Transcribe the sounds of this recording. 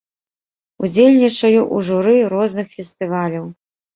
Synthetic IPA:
ud͡zʲelʲnʲit͡ʂɐjuʔuʐuɾɨɾɔznɨxfʲɛst̪ɨvalʲɐw

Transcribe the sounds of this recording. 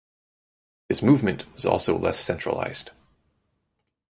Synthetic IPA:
ðɨsmuvmɨ̃ntwʌzɔ̰lˠsoʊlɛ̰sɛ̃nt͡ʃɹ̥ə̰la̰ɪz̥d̥

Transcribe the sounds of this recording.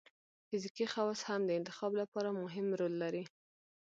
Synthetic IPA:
fɪzikixawshamd̪əɪnt̪ɪxɑblapɑɾamʊɦɪmɾolːaɾi

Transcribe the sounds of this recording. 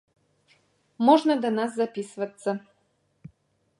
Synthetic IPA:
mɔʒnad̪anaszapisvɐt̪sa

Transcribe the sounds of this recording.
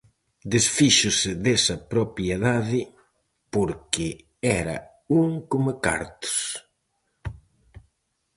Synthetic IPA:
d̪esfiʃʊsɪðesɐpɾopjeðaðɪ | poɾkɪ | ɛɾɐ̰ | uŋkomaka̰ɾt̪ʊ̥s

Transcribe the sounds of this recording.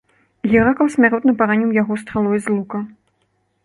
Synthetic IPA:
ɣʲɛɾakɐlˠsʲmʲaɾɔt̪nɐpaɾanʲiwjaɣɔs̬t̪ɾalˠɔjzlˠukɐ

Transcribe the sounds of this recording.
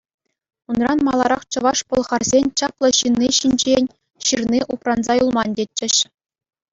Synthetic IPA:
unrɑnmɑlˠɑɾɑχt͡ɕɤ̆ʋɑʂpŏlˠʁɑrzʲenʲt͡ɕɑplˠɤ̆ɕɯnʲːiɕinʲd͡ʑenʲ | ɕɯrnʲiʔuprɑnzɑjulˠmɑndʲetʲt͡ɕːɘ̆ɕ

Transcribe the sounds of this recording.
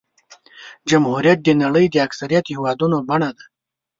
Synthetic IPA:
d͡ʒamhuɾjat̪̚d̪enaɽəjd̪eaksaɾijat̪hɪwɑd̪unobaɳad̪a

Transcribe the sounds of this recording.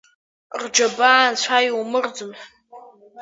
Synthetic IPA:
rd͡ʒabaʕːnt͡ɕʷʰajwmɨrd͡zɨmħ

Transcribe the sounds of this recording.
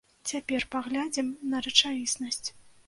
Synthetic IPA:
t͡sʲapʲɛrpaɣlʲad͡zʲimnɐɾɐt͡ʂavʲisnɐsʲt͡sʲ

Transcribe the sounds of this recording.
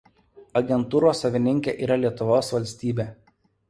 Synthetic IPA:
ɐɡʲɛnt̪uːɾoːsːɐʋʲɪnʲɪŋʲkʲeːʔiːɾɐlʲiɛt̪ʊʋoːsʋɐlʲsʲt̪ʲiːbʲeː

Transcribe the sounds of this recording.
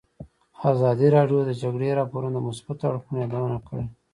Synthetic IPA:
azɑd̪iɾɑɖjod̪əd͡ʒaɡɽeɾɑpoɾund̪əmʊsbat̪aɽxunjɑd̪awənakəɽe

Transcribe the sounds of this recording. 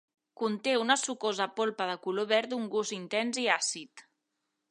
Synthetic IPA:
kunt̪eunəsukozəpolˠpəðəkuloβɛɾt̪uŋɡuzint̪ɛnziasit̪

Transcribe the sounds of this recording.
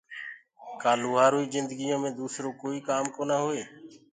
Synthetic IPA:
kaːluːɦaːɾoːiːzɪnd̪əɡɪjõːmẽːd̪uːsɾoːkoːiːkaːmkoːnaːɦoːeː

